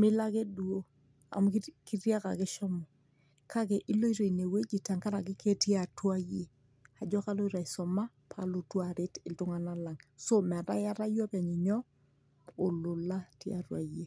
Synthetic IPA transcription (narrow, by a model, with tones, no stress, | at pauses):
mɪ˦la˦ke˦du˨o˦ | a̰˨mu˦kki˦rja˦ka̰˨ke˦ʃɔ˦mɔ˨ | kʰa˦ke˨ʔi˦lo˦i˦ɾo˨i˨ne˨we˦d͡ʒi˨ta˨ŋka˦ɾa˨k̬ɪ˦ke˦ti˦a˨twa˦je˦˨ | a˨d͡ʒɔ˦ka˦lo˦i˦ɾa˨i˨sɔ˨ma˦ | pʰalo˨twa˨ɾɪ˦tɪ˨ltʊ˦ŋa˨na˦la˨ŋso˦mɛ˨ɾa̰˦ja˦ɾa˦jɔ˦pa˨ɲi˨ɲɔ˦ | o˨lʊ˨la˦ti˦a̰˨twa̰˨je˨